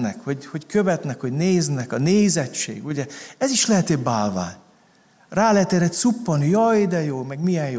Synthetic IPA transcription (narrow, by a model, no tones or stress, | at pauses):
nɛkhoɟho̞ckøvɛt̪nɛkho̞ɟneːznɛkɒneːzɛt͡ʃːḛːɡuɟɛɛziʃlɛɦɛt̪ebaːlva̰ː | raːlɛɛt̪ɛɾɛt̪supːɒnjɒjd̪ɛjoːmɛɡmijɛnjo